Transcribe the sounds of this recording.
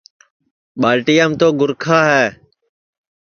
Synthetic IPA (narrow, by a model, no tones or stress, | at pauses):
ɓaːlʈiːjaːmt̪oːɡʊɾkʰaːɦɛː